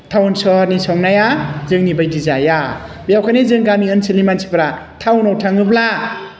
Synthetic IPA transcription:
tʰawnsɔɾnisɔŋnajazɯŋnibajdizajabijawkʰanezɯŋɡamiɯnsilimansʰi̥pɾatʰawnɔwtʰaŋɯbla

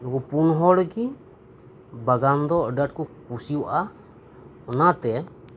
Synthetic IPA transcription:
nukupunɦɔlki | baɡand̪ɔdat̚kukusiuʔa | ɔnat̪ɛ

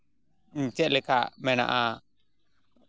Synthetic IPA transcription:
ɲ̩t͡ʃɛʔ̚lɛkaʔmɛna̰ʔa

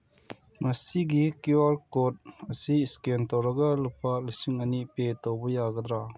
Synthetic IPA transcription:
mɐsiɡikiwaɾkɔt̚ɐsiskentɔɾɐɡalupʰalisiŋənipet̪ɔwbɔjaɡəd̪ɾa

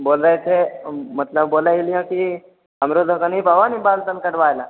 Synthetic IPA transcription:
boːlɾəet͡ʃʰemɐt̪ləbːoːlailijõki | ɦəmɾod̪ʱokənipɐʋanibaːlt̪əlkəʈʋaːjlaː

